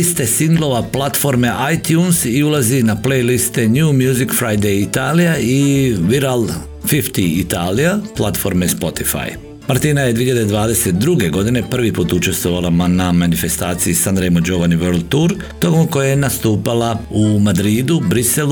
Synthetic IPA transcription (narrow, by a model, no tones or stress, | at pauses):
ist̪e̞siŋɡlˠo̞ʋaplˠat̪fo̞ɾmeʔajt̪juːnsiulˠazinaplejlist̪e̞ɲjumjuːzikfɾajd̪ejit̪aːlijaiʋiɾalˠ | fift̪iit̪aːlijaplˠat̪fo̞ɾmespo̞t̪ifa̰j | maɾt̪iːnajed̪iːiʎad̪ed̪ʋaːd̪e̞set̪̚d̪ɾuɡe̞ɡo̞d̪ine̞pr̩ʋipuːt̪ut͡ʃe̞st̪ʋo̞ʋalˠaanamanife̞st̪aːt̪siisand̪ɾejmod͡ʒo̞ʋaniʋeɾlt̪uɾ | t̪o̞komko̞jajenast̪uːpalˠaumad̪ɾiːd̪ubɾisel